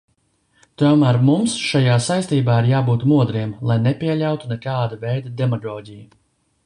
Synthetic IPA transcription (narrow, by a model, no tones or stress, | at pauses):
t̪uɔmæːɾmumsʃajaːsajst̪iːbaːiɾjaːbuːt̪muɔd̪ɾiɛmlˠajnɛpʲiɛlʲawt̪unɛkaːd̪avɛjd̪ad̪ɛmaɡɔːɟiju